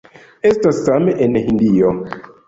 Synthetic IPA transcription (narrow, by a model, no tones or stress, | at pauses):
estasːameʔenhindio